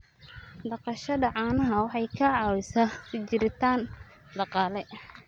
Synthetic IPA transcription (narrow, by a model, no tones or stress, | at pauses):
d̪ɑqɑʃɐdɐʕɑːnɐɦɐwɑħɑjkʰɐʕɑːwɪsɐt͡ʃɪɾɪt̪ʰaːn | d̪ɑqɑːlɛ